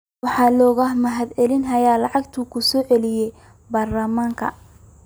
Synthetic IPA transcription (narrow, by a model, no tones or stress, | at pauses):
wɑħɑːlɔːɣɐhmɐɦɐd̪ɛlɪnɦɐjaːlɑʕɑɡt̪ʰuːkʰʊsɔːʕɛlɪjɛj | baːrlɐmaːŋkʰɐ̰